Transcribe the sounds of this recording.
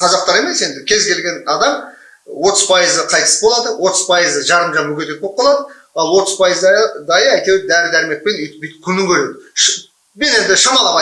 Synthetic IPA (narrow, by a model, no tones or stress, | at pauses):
qʰɑzɑq̚t̪ɑɾe̞me̞se̞nd̪ɪkʲʰe̞zkʲe̞lɡʲe̞nɑd̪ɑm | wo̞t̪əz̥pʰɑjəzəqʰɑjt̪əsə̥bo̞lˠɑd̪əwo̞t̪əz̥pʰɑjəzəʒɑɾəmʒɑmʏkʲe̞t̪et̪op̚qːɑlˠɑd̪ə | ɑlˠwo̞t̪əzpʰɑjəzd̪ɑjəæjt̪ew̚d̪æɾɪlæɾɪme̞k̚pe̞nijt̪ɪpejt̪ɪ̥kʲʰʏnɪŋkʲʰɵɾe̞d̪ɪʃ | bene̞nd̪ɪʃəmɑlˠɑʁɑ